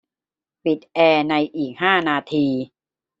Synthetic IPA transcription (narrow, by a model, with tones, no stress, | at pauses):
pi˨˩t̪̚ʔɛː˧na˧jʔiː˨˩k̚haː˥˩naː˧t̪ʰiː˧